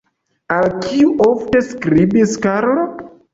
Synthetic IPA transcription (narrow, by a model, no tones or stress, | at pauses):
alkʰiuʔofteskɾibiskaɾlo